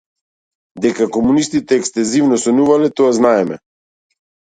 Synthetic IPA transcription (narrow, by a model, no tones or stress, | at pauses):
d̪ɛkakɔmunist̪it̪ɛːkst̪ɛzivnɔsɔnuvalɛt̪ɔaznaɛmɛ